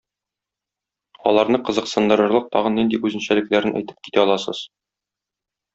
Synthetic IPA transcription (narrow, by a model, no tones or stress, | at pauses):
ɒ̰lˠɑɾnɤqɤ̆zɤ̆qsɤ̆nd̪ɤ̆ɾɤ̆ɾlˠɤq̚t̪ɒʁɤ̆nːind̪iʔʉzɘ̆nɕælɘ̆klæɾɘnʔæ̰jt̪ɘ̥p̚ki̥t̪æɒlˠɑsɤ̰z̥